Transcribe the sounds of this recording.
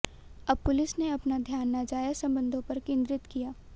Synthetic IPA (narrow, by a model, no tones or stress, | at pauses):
ɐb̚pʊlɪsneɐpnad̪ʱjaːnːad͡ʒaːjəsɐ̃mbə̃nd̪ʱõpɐɾkẽːnd̪ɾɪt̪kijaː